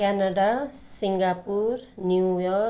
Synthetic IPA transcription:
kanaɖasiŋɡapurnjujʌ

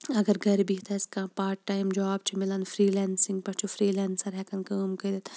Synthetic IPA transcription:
ɐɡɐɾɡɐɾbiɦt̪ʰɐɪskãːpaːɾʈʈːaːjimd͡ʒaːb̚t͡ʃʰimɪlanfɾiːlɛːnsɪ̃ŋɡ̚pɐt͡ʃʰufɾiːlaːnsɐɾɦɛkɐnkəːmkɐd̪it̪ʰ

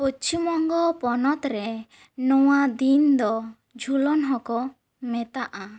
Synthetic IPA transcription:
ot͡ʃʰumɔŋɡɔpɔnɔt̪ɾɛ | nɔwad̪ind̪ɔ | d͡ʒʱulɔnɦɔkɔ | mɛt̪aʔa

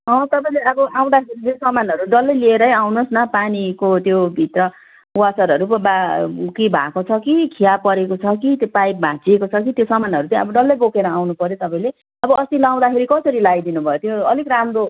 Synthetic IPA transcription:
ɦʌ̃t̪ʌpaĩleʌbʌʔaw̃d̪akʰeɾid͡zosʌmanʌɾuɖʌlːʌjlieɾʌjawnosnʌpanikot̪jobʱit̪rʌ | wat͡sʌɾʌɾupʌbakibʱakot͡sʰʌkikʰijapʌɾekot͡sʰʌkit̪jopajp̚bʱãt͡siekot͡sʰʌk̬it̪josʌmanɦʌɾut͡sãʌbʌɖʌlːʌjbokeɾʌawnupʌɾjot̪ʌpãĩle | ʌbʌʌst̪ilaw̃d̪akʰeɾikʌsʌɾilajd̪inubʱʌjot̪joʌlikramro

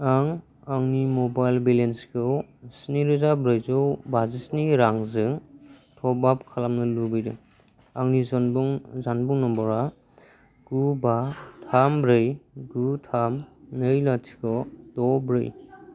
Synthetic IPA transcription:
aŋ | aŋnimɔbajlbilenskʰɯwsniɾɯzabɾɯjzɔwbazisniɾaŋzɯŋtʰɔbap̚kʰalamnɯlubɯjdɯŋ | aŋnizzanbuŋnɔmbɔɾa | ɡ̥ubatʰambɾɯjɡutʰamnɯjlatʰi̥kɔdɔbɾɯ̰j

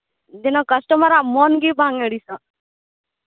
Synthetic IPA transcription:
d̪inɔkəsʈəmaɾamɔnɡibʱãŋeɽisã

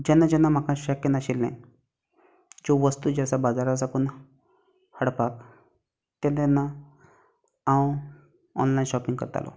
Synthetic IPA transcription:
d͡ʑɛnːad͡ʑɛnːam̤akãɕəkːenaɕilːɛ̰̃ | d͡ʑoʋəst̪ud͡ʑasabad͡zaɾasakuna | həɽpak | t̪ɛ̃nt̪ɛnːa | ãw | ɔ̰nlainɕɔpĩŋɡkə̰ɾt̪a̰lʔɔ̰

